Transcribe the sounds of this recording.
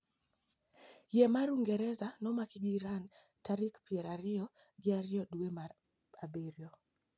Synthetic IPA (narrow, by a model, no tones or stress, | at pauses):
jɛmaɾuŋɡɛɾɛzanɔmakɪɡiɾan | taɾɪkpiɛɾaɾɪɔ | ɡɪaɾɪjɔduemar | abeɾjɔ